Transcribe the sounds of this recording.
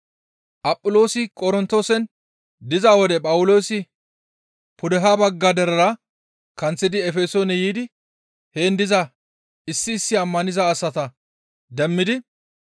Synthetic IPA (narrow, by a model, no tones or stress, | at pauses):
ʔɐpʼːʊlo̞ːsɪkʼɔɾɪnt̪ːoːsɛn | d̪ɪzaːwɔd̪ɛpʼɐwʊlo̞ːsɪ | pʰʊd̪ɛɦaːbɐɡːad̪ɛɾɐɾɐ | kɐnt͡sːɪd̪ɪɛfeːsoːnɛjiːd̪ɪ | heːnd̪ɪzɐ | ɪsːɪːsːɪɐmːɐnɪzɐːsːɐt̪ɐ | d̪ɛmːɪd̪ɪ